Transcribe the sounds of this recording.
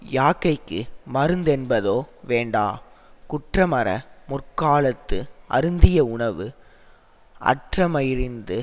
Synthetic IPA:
jaːkːɐɪkːɯmɐɾɯnd̪ɛnbɐðoːʋeːɳɖa̰ːkʊʈrɐmɐɾɐ̰mʊrkaːɭɐt̪ːɯʔɐ̰ɾɯnd̪ɪjɐʊɳɐʋɯ | ʔɐ̰ʈrɐmɐjɪɾɪnd̪ɯ

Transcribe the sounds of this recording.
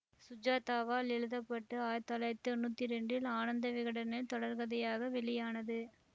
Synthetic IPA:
sʊd͡ʒaːt̪aːʋaːlɛɻɯðɐpːɐʈːɯaːjt̪ːɐːlɐjt̪ːɯɔnːuːt̪ːiɾɛɳɖɪlaːnɐnd̪ɐʋɪɣɐɽɐnɪlt̪ɔɽɐɾɣɐðɐjaːɣɐʋɛɭɪjaːnɐðɯ

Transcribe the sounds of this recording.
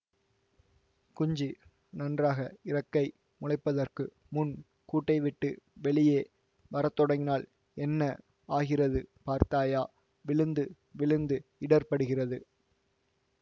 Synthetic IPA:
kʊɲd͡ʒɯ | nɐndraːɣɐɪrɐkːɐɪ | mʊlɐɪpːɐðɐrkɯ | mʊn | kuːʈːɐɪʋɪʈːɯʋɛɭɪjeː | ʋɐɾɐt̪ːɔɽɐŋɪnaːl | ɛnːɐ | aːɣɪrɐðɯpaːɾt̪aːjaː | ʋɪɭɯnd̪ɯ | ʋɪɭɯnd̪ɯɪɽɐɾpɐɽɯɣɪrɐðɯ

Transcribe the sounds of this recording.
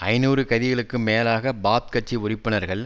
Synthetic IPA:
ɐɪnuːɾɯkɐðɪɣɐɭɯkːɯmeːlaːɣɐbaːt̪̚kɐʈ̚t͡ʃːiʊrɪpːɯnɐɾɣɐɭ

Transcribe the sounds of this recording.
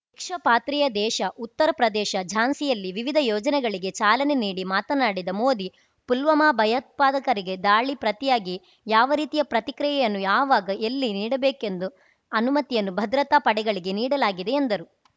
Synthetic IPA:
ʋikʂɐpaːt̪ɾijɐd̪ɛːʃɐʔut̪ːɐɾɐpɾɐd̪ɛːʃɐd͡ʒʱaːnsijɐlːiʋiʋid̪ʱɐjɔːd͡ʒɐnɛɡɐɭiɡe̞t͡ʃaːlɐneniːɽimaːt̪ɐnaːɽid̪ɐmoːd̪i | pulʋɐmaːbʱɐjɐt̪̚paːd̪ɐkɐɾiɡe̞d̪aːɭipɾɐt̪ijaːɡi | jaːʋɐɾiːt̪ijɐpɾɐt̪ikɾɐjɛjɐnːujaːʋaːɡɐʔelːiniːɽɐbeːke̞nd̪u | ɐnumɐt̪ijɐnːubʱɐd̪ɾɐt̪aːpɐɽɛɡɐɭiɡe̞niːɽɐlaːɡid̪e̞end̪ɐɾu

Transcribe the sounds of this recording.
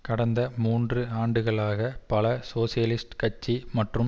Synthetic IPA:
kɐɽɐnd̪ɐmuːndrɯaːɳɖɯɣɐɭaːɣɐpɐlɐsoːsɪjɐlɪsʈkɐt͡ʃːimɐʈrɯm

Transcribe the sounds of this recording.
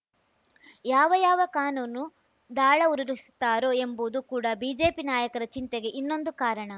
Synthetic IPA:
jaːʋɐjaːʋɐkaːnuːnːu | d̪aːɭɐuɾiɾist̪ːaːɾoe̞mboːd̪ukuːɽɐbiːd͡ʒe̞ːpinaːjɐkɐɾɐt͡ʃint̪eɡe̞ʔinːo̞nd̪ukaːɾɐɳɐ

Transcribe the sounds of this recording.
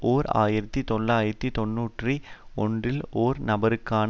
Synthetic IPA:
ʔoːɾa̰ːjɪɾɐt̪ːit̪ɔɭːaːjɪɾɐt̪ːit̪ɔnːuːʈriɔ̰ɳdrɪloːɾnɐbɐɾɯkːaːn

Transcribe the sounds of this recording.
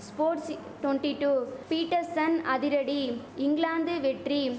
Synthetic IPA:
spoːɾʈs | ʈwɔnʈiʈuːpiːʈːɐɾsɐnɐðɪɾɐɽi | ɪŋɡɭaːnd̪ɯʋɛʈri

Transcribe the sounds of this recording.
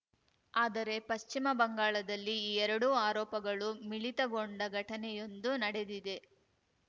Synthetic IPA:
aːd̪ɐɾe̞pɐʃt͡ʃimɐbɐŋɡaːɭɐd̪ɐlːiːɛɾɐɽuaːɾɔːpɐɡɐɭumiɭit̪ɐɡo̞ɳɖɐɡʱɐʈɐnɛjo̞nd̪unɐɽe̞d̪id̪e̞

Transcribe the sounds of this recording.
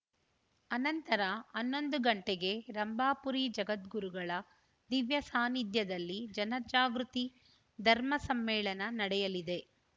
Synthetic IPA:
ɐnɐnt̪ɐɾɐɐnːo̞nd̪uɡɐɳʈeɡe̞ɾɐmbaːpuɾid͡ʒɐɡɐt̪ɡuɾuɡɐɭɐ | d̪iʋjɐsaːnid̪jɐd̪ɐlːid͡ʒɐnɐd͡ʒaːɡɾut̪i | d̪ʱɐɾmɐsɐmːɛːɭɐnɐnɐɽɛjɐlid̪e̞

